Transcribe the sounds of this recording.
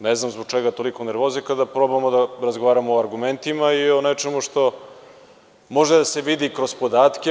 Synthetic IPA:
neznamzboɡ̚t͡ʃeɡat̪o̞likoneɾʋozikad̪apɾo̞bamod̪aɾazɡo̞ʋaːɾamoːaɾɡume̞nt̪imaionet͡ʂemuʂt̪o̞ | mo̞ʒed̪aseʋid̪ikɾo̞spod̪aːt̪kʲe

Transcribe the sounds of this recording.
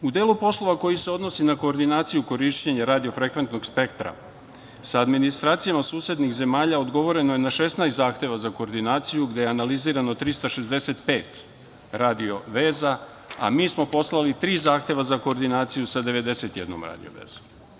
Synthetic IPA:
ud̪eːlˠupo̞slˠo̞ʋako̞jise̞o̞d̪no̞sinako̞ːɾd̪inaːt̪sijuko̞ɾiʃt͡ɕeɲaɾaːd̪io̞fɾe̞kʋent̪no̞ɡspe̞kt̪ɾa̰ | saːd̪minist̪ɾaːt̪sijamasuːse̞d̪nixze̞maːʎaod̪ɡo̞ʋo̞ɾe̞nojenaʃesnajst̪zaːxt̪e̞ʋazako̞ːɾd̪inaːt̪sijuɡd̪e̞jeanaliziːɾano̞t̪ɾist̪aʃe̞zd̪e̞se̞t̪peːt̪ | ɾaːd̪io̞ʋe̞ːza | a̰miːsmo̞po̞slˠalit̪ɾiːzaːxt̪e̞ʋazako̞ːɾd̪inaːt̪sijusad̪e̞ʋe̞d̪e̞set̪jed̪no̰mɾa̰ːd̪ḭo̰ʋḛːz̥om

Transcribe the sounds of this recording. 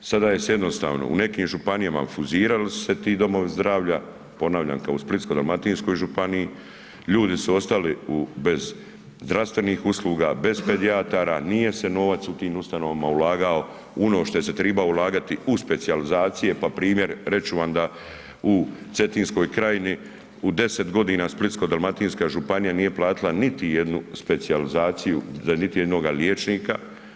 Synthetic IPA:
sad̪aːjesjed̪no̞st̪a̰ːʋno̞̰ṵne̞kiːmʒupanijama̰fuziːɾalisu̥se̞t̪iːd̪o̞mo̞ʋizd̪ɾaːʋʎa | po̞naːʋʎa̰ːŋkaosplit̪kod̪almat̪iːnsko̞jʒupanii | ʎuːd̪isuo̞st̪aliube̞z | zd̪ɾaʋst̪ʋe̞niːxuslˠuːɡaːbe̞zpe̞d̪iat̪aːɾanije̞se̞no̞ʋat̪sut̪iːmust̪ano̞ʋamaulaːɡao̞ | uno̞ːʃt̪o̞eset̪ɾiːbaulˠaːɡat̪iuspe̞t̪sializaːt̪sije̞papɾiːmje̞ɾɾe̞t͡ʃuʋamd̪a | ut̪se̞t̪iːnsko̞ːjkɾajini | ud̪e̞set̪ɡo̞d̪iːnaːsplit̪sko̞d̪alˠmat̪iːnskaʒupanijaniːje̞plˠaːt̪ilanit̪ijed̪nuspe̞t̪sializaːt̪sijuanit̪ijed̪no̞ːɡaljeːt͡ʃniːka

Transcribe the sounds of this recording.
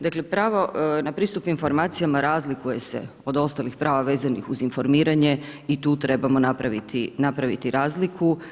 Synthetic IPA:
d̪aklepɾaːʋo̞napɾiːst̪upinfo̞ɾmaːt̪sijamaɾaːzlikuje̞se̞̰ | o̞d̪o̞st̪alixpɾʔaːʋaʋe̞ːzanixuzinfo̞ɾmiːɾaɲe̞it̪uːt̪ɾe̞bamo̞napɾaʋit̪ʰinapɾaʋit̪iɾaːzlikʰu

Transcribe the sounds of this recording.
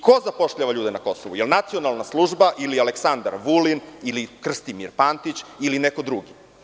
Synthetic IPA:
kʰozapo̞ʃʎaʋaʎuːd̪enako̞soʋujelnat̪sio̞nalˠnaslˠuːʒbaʔilialeksand̪a̰ɾʋulinilikr̩st̪imiɾpant̪it͡ɕilineko̞d̪ɾuɡi

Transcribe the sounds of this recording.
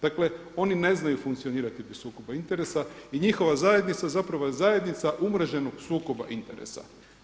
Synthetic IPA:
d̪̥akle | o̞nine̞znajufuŋkt̪sio̞niːɾat̪ipɾisuːko̞baint̪e̞ɾesaiɲixo̞ʋazaje̞d̪nit̪sazapɾaʋo̞jezaje̞d̪nit̪saʔumɾaʒe̞noɡsuːko̞ba̰ʔint̪e̞̰ɾḛsa̰

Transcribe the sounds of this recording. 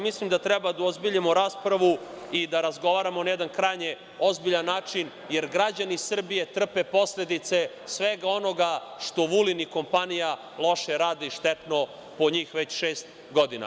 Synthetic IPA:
mislimd̪at̪ɾɛbad̪aozbiʎimoɾaːspɾaʋu | id̪aɾazɡo̞ʋaːɾamonajɛd̪ankɾajɲe | o̞zbiʎanːaːt͡ʂin | je̞ɾɡɾad͡ʑanisr̩bije̞t̪r̩pe̞po̞slʲed̪it̪se̞ | sʋeɡao̞no̞ɡaʃt̪o̞ʋuliniko̞mpanija | lˠo̞ʃeɾaːd̪iʃt̪et̪no̞ | po̞ɲiːxʋe̞t͡ɕʃeːst̪ | ɡo̞d̪ina̰

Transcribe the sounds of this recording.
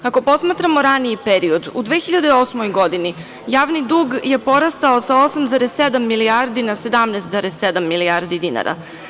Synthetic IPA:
ako̞po̞smaːt̪ɾamo̞ɾaniipeɾio̞d̪ṵd̪ʋexiʎad̪eo̞smojɡo̞d̪ini | jaːʋnid̪uːɡje̞po̞ɾast̪ao̞sao̞samzaːɾesːed̪amːiliaɾd̪inase̞d̪amnɛːst̪zaɾesːed̪amːiliaɾd̪id̪ina̰ɾʔa̰

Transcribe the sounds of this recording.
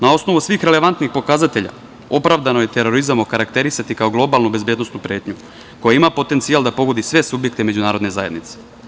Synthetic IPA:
nao̞sno̞ʋusʋiːxɾe̞leʋant̪nixpo̞kazat̪e̞ʎa̰ | o̞pɾavd̪ano̞jet̪e̞ɾo̞ɾizamokaɾakt̪e̞ɾisat̪ikao̞ɡlˠo̞balˠnubezbjed̪nosnupɾe̞ːt̪ɲu | ko̞jeimapo̞t̪ent̪sijalˠd̪apo̞ɡo̞d̪isʋe̞subje̞kt̪eme̞d͡ʒunaːɾo̞d̪ne̞zajed̪nit̪se̥

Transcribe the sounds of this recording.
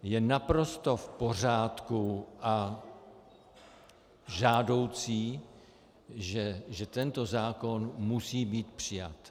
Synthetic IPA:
jɛnapɾo̞st̪o̞fpo̞r̝aːt̪kuʔa | ʒaːdo̞wt͡siː | ʒɛʒɛt̪ɛnt̪o̞zaːko̞nmusiːbiːt̪pr̝̥ɪja̰t̪

